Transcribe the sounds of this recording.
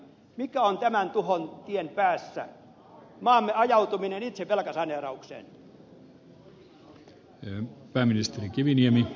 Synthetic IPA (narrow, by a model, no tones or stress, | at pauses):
mikæont̪æmænt̪uhont̪ienpæːsːæ̰ | mɑːmːeɑjɑut̪uminenit̪seʋelkɑsɑnerɑuksḛːn | pæːmːinist̪erikiʋiniemi